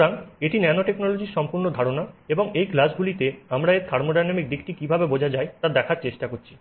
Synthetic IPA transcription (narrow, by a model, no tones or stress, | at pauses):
ɾaŋeʈinɛnoʈeknolod͡ʑiɾʃɔmpuɾnod̪ʱaɾonaeboŋejklasɡulit̪eamɾaeɾt̪ʰaɾmoɖajnamik̚d̪ikʈikibʱabebod͡ʑʱad͡ʑaet̪ad̪ɛkʰaɾt͡ɕeʃʈakoɾt͡ɕʰi̥